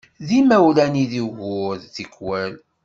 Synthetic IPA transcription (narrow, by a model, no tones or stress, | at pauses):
ðimæwlæniðiɣʊðθikːwæl